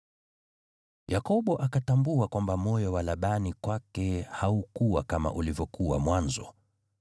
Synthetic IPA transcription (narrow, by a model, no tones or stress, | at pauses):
jakɔɓɔʔakatambuakwambamɔjɔwalaɓanikwakɛhaukuwakama̰ʔulivjɔkuwamwanzɔ̰